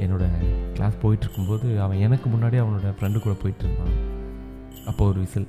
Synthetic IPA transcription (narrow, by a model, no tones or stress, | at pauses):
ɛnːoːɽɐklʔa̰ːspoːjɪʈːɪɾɯkːɯmpoːðɯɐʋɐ̃ɛnɐkːɯmʊnːaːɽiɐʋɐnoːɽɐfɾɛɳɖɯkuːɽɐpoːjɪʈːɪɾɯkːã̰ːn | ɐpːoːɔɾɯʋɪsɐl